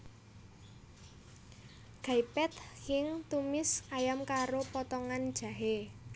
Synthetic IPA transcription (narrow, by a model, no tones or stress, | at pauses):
ɡ̥ajpɛt̪̚hɪŋt̪umɪskajamkaɾopɔt̪ɔŋand̥ʒ̥ä̤ɦe